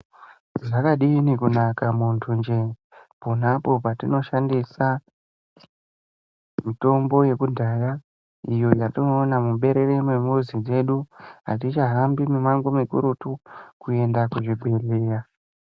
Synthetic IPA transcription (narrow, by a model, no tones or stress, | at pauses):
ʐakaɗinikunakamuntʰund͡ʒe̞ | po̞napo̞patino̞ʃandisa | mito̞mbo̞je̞kudʱaja | ijo̞jatinoːnamumɓe̞ɾeremwemuzid͡ze̞ɗuɦa̰t̬it͡ʃarambimimaŋɡomikṵɾutukue̞ndakuʐibʱeleːra